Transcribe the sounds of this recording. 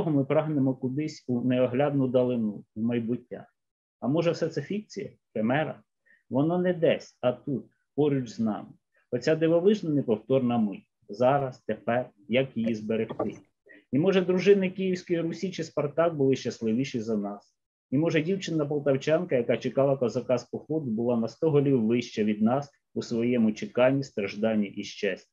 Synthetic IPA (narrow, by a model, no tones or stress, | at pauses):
ɦɔmɪpɾɑɦnemɔkʊd̪ɪsʲuneɔɦlʲad̪̚nʊd̪ɐlˠɪnuwmɐjbutʲːa̰ | ɐmɔʒɛwsɛt̪sɛfʲik̚t͡sʲḭjɐ̰ | femɛɾɐ̰ | ʋɔnɔnɛd̪ɛsʲɐt̪ut̪̚ | pɔɾʲʊd͡ʒznɑ̰mɪ | ɔt͡sʲad̪ɪʋɔʋɪʒnɐnɪpɔwt̪ɔrnɐmɪ | zɑɾɐst̪epɛr | jɐkjijizbeɾext̪ɪ̰ | imɔʒɛd̪ɾʊʒɪnɪkijiwsʲkɔjiɾusʲit͡ʃɪspɐrt̪ɑk̚bʊlˠɪʃt͡ʃɐslˠɪʋʲiʃizɐnɑs | imɔʒɛdʲiwt͡ʃɪnːɐp̬ɔlˠt̪ɐwt͡ʃɑnkɐjɐkɑt͡ʃɪkɑlˠɐkɔzɐkɑspɔxɔd̪ʊbʊlˠɑnɐst̪ɔɦɔlʲiwːɪʃt͡ʃɛʋʲid̪̚nɑs | usʋɔjɛmʊt͡ʃɪkɑnʲːist̪ɾɐʒd̪ɑnʲːiʔiʃt͡ʃɛsʲtʲi